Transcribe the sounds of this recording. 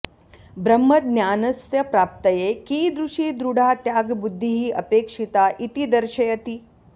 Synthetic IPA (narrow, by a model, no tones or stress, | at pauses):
bɾɐmːɐt̪̚njaːnɐsjɐpɾaːp̚t̪ɐjekiːd̪ɾuʂiːd̪ɾuɽ̤ʱaːt̪jaːɡbud̪ʱːiɦiːʔɐpeːkʂit̪aːʔit̪id̪ɐɾʃɐjɐt̪i